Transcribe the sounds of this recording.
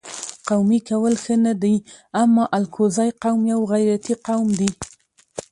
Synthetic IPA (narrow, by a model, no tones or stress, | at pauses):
qawmikawəlxənad̪ajamːɑʔalkʰozɑjqawmjawɣajɾat̪iqawmd̪i